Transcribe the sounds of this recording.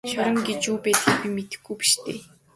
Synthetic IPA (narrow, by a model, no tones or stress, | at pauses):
ʃɔɾə̆ŋɡet͡ɕuːpæːt̪ə̆kpimet̪ɘ̆xɡujpi̥ʃt̪ʰeː